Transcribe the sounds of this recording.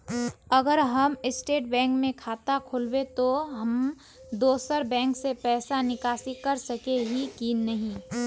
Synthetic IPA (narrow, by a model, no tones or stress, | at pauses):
əɡəɾɦəmɪsʈeːʈ̚bɛ̃ːŋkmẽkʰaːt̪akʰolbet̪oɦəm | d̪oːsəɾbɛ̃ːŋksepɛːsanɪkaːsikɐɾsəkeɦikinəɦĩː